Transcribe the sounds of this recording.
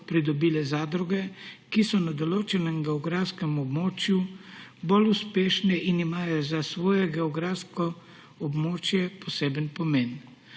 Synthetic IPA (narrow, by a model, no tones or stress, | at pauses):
pɾid̪ɔbiːlɛzaːd̪ɾuɡɛkisɔnad̪ɔloːt͡ʃɛnɛmɡɛɔɡɾafskɛmɔbmoːt͡ʃjuboluspeːʃnɛʔinimaːjɔzasʋoːjɛɡɛɔɡɾaskɔ | ɔbmoːt͡ʃjɛpʰɔseːbənpɔmeːn